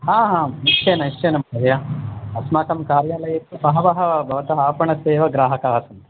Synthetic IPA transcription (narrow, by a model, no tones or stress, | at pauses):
hãːɦãːmiʃʰenɐiʃʰenɐmɐɐɾɐjɐɐsmaːk̪ɐmkaːɾjaːlɐjɐt̪ːusɐɦɐʋɐɦɐbʱɐʋɐt̪ɐɦaːpɐɳɐseːʋɐɡɾaːɦɐkaːsɐnt̪i̥